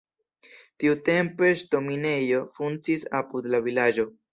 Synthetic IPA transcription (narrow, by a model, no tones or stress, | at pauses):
tiute̞mpe̞ʃto̞mine̞jo̞funt͡sisa̰pud̪lavilad͡ʒo̞